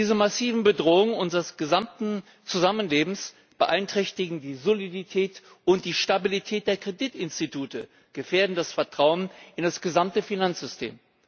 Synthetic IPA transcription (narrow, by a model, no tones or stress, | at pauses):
iːzəmasiːvn̩bədʁoːʊŋʔʊnzəʁəsɡ̥əzamtn̩ | t͡suzamənleːbm̩s | b̥əʔaɪntʁ̥ɛçtɪɡŋ̩diːzoliditʰɛːt | ʊnt̚d̥iːʃtabilitʰɛːt̚d̥eːɐkʁ̥editɪnstitʰuːtə | ɡ̥əfeːɐdn̩dasfɛɐtʁ̥aʊənɪndasɡ̥əzamtəfinant͡ssz̥ʏstʰḛːm